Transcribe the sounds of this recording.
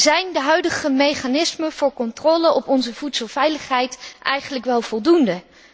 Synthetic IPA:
zɛjndəɦœɥdəχəmejχanɪsməv̥ʊːɹkɔntrɔːləɔpɔnzəvutsəlˠvɛjləχɦɛjtʔɛjχənləkʋɛlˠv̥ɔlˠdundə

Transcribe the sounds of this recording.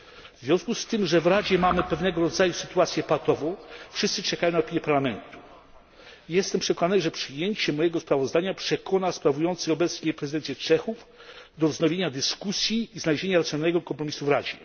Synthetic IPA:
vzvʲjɔ̃skust̪ɘmʐɛvɾad͡ʑɛmamɘpɛvnɛɡɔɾɔd̪zajusɘ̥t̪uat̪sʲjɛpat̪ɔvɔ̃w̃fʂɨst̪sɘt͡ʂɛkajɔ̃naɔpʲiɲjɛpaɾlamɛnt̪u̥ | jɛst̪ɛmpʂɛkɔnanɘʐɛpʂɘjeɲt͡ɕɛmɔjɛɡɔspɾavɔzd̪aɲapʂɛkʰɔnaspɾavujɔnt̪sɛɔbɛt̪sɲɛpɾɛzɨd̪ɛnsʲjɛt͡ʂɛxuf | d̪ɔvznɔvʲjeɲad̪ɘskusʲjiːznalʑeɲaɾat̪sʲjɔnalːɛɡɔkɔmpɾɔmʲisuvɾad͡ʑɛ

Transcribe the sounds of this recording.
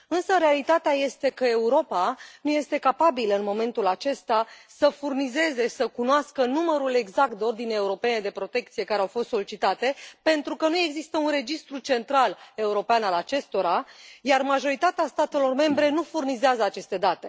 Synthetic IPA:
ɨnsəɾealit̪at̪eaje̞st̪e̞kəe̞uɾo̞panuje̞st̪e̞kapabilɨnmo̞me̞nt̪ulat͡ʃe̞st̪asəfurnize̞ze̞səkunoaskənuməɾule̞ɡzak̚t̪̚d̪o̞rd̪ineeuɾo̞pe̞ne̞d̪e̞pɾo̞t̪e̞k̚t̪sije̞kaɾeawfo̞st̪so̞lit͡ʃit̪at̪e̞pe̞nt̪ɾukənue̞ɡzist̪əunre̞d͡ʒist̪ɾut͡ʃe̞nt̪ɾale̞uɾo̞peanalat͡ʃe̞st̪o̞ɾajarmaʒo̞ɾit̪at̪east̪at̪e̞lo̞rme̞mbɾe̞nufurnizeazəat͡ʃe̞st̪e̞d̪at̪e̞

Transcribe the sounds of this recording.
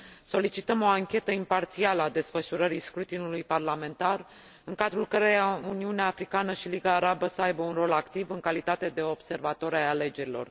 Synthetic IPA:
so̞lit͡ʃit̪əmo̞aŋkʲe̞t̪əimpart̪sialəad̪e̞sfəʃuɾəɾijskɾut̪inulujparlame̞nt̪ar | ɨŋkad̪ɾulkəɾejauniuneaːfɾikanəʃiliɡaːɾabəsəajbəunro̞lakt̪ivɨŋkalit̪at̪e̞d̪e̞o̞bse̞rvat̪oɾajale̞d͡ʒe̞ɾilo̞̰r

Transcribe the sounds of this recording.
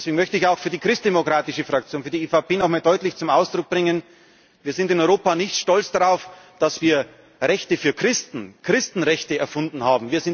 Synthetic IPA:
sv̥eːɡŋ̩mœçtəɪçaʊxfyːɐdiːkʁ̥ɪstd̥emokʁ̥aːtɪʃəfʁ̥ak̚t͡sjoːnfyːɐdieːfaʊpʰeːnɔxmaːldɔʏtlɪçt͡sʊmʔaʊsd̥ʁʊk̚b̥ʁɪŋən | viːɐzɪntɪnɔʏʁoːpanɪçtʃtɔlt͡sd̥aʁaʊfd̥asv̥iːɐ | ʁɛçtəfyːɐkʁ̥ɪstn̩kʁ̥ɪstn̩ʁɛçtəɛɐfʊndn̩haːbm̩viːɐzɪn

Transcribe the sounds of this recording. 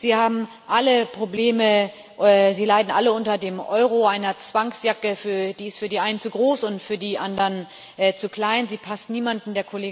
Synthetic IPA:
z̥iːhaːbm̩ | ʔaləpʁ̥obleːmə | ziːlaɪdn̩ʔaləʊntɐdeːmʔɔʏʁ̞oʔaɪnɐt͡sv̥aŋsjakəfyːɐd̥iːɪstfyːɐdiːʔaɪnənt͡suɡʁoːsʊntfyːɐdiːʔandɐʁn | ʔɛt͡sukl̥aɪnziːpʰastniːmandn̩deːɐkʰoleːɡ

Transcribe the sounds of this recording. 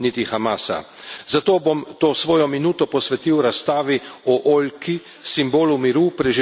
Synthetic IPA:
nit̪ixamaːsa̰ | zat̪oːbomt̪oːsʋoːjɔminuːt̪ɔpɔsʋɛt̪iwɾast̪aːʋiɔʔoːlki | simboːlumiɾupɾɛʒi

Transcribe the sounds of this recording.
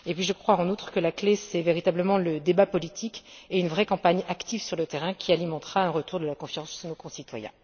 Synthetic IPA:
epɥiʒəkχwaɑ̃nut̪χə̥kəlaklesɛveʁit̪abləmɑ̃ləd̪ebapɔlit̪ʰikeynvʁɛkɑ̃paɲakt̪ivsyʁlət̪eʁɛ̃kʲialimɑ̃t̪χaɛ̃ʁət̪uʁd̪əlakɔ̃fjɑ̃sdnokɔ̃sit̪wajɛ̰̃

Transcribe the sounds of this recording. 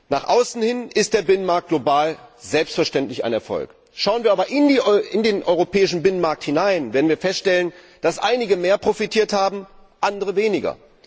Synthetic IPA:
naːχʔaʊsn̩hɪnɪst̚d̥eːɐbɪnənmaɐk̚t̚ɡ̥lobaːlzɛlpstfɛɐʃtɛntlɪça̰ɪnɛɐfɔ̰lk | ʃaʊənviːɐaːbɐʔɪniɪndeːnʔɔʏʁopʰɛːɪʃn̩bɪnənmaɐk̚thɪnaɪnveːdn̩viːɐfɛstʃtɛlən | d̥asʔaɪnɪɡəmeːɐpʁ̥ofitʰiːɐthaːbm̩ | ʔandəʁəveːnɪɡɐ̰

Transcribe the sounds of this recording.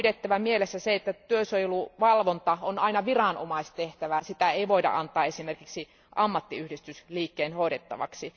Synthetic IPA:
det̪ːæʋæmielesːæseet̪ːæt̪yøsojeluʋɑlʋont̪ɑonɑinɑʋirɑˑno̰mɑist̪eht̪æʋæsit̪æeiʋoidɑ̰ʔɑnt̪ˑɑːesimerkiksi | ʔɑmːɑt̪ːiyhdist̪ysliːkːeːnhoˑiɾet̪ːɑ̰ʋɑ̰ksi

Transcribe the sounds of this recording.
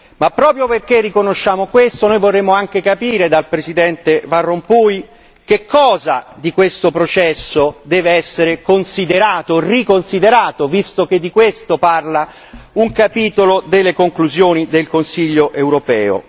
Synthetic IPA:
mapːɾɔːpɾjoperkerːikonoʃːaːmokwest̪onojvorːemːoaŋk̟ekapiːɾed̪alpɾesid̪ɛnt̪evarːompuj | k̟ekʰːɔːzad̪ikwest̪opɾot͡ʃɛsːod̪ɛːveɛsːeɾekonsid̪eɾaːt̪orikonsid̪eɾaːt̪ovist̪ok̟ed̪ːikwest̪oparla | uŋkapiːt̪olod̪elːekoŋkluzjoːnid̪elkonsiʎːoʔewɾopɛːo̰

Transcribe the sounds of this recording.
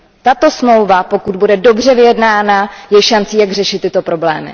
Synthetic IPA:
t̪at̪o̞smlo̞wvapo̞kud̪̚budɛdo̞br̝ɛvɪjɛdnaːnajɛjʃant͡siːjaɡr̝ɛʃɪt̪ːɪt̪o̞pɾo̞blɛːmɪ̰

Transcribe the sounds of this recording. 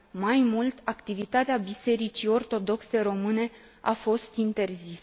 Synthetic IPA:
majmult̪akt̪ivit̪at̪eabise̞ɾit͡ʃio̞rt̪o̞d̪o̞kse̞ɾo̞mɨne̞ | a̰fo̞st̪int̪e̞rzis

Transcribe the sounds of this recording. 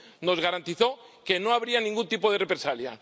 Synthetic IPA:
no̞zɣaɾant̪iθo̞ke̞noaβɾianĩŋɡunt̪ipoð̞e̞repɾesalja̰

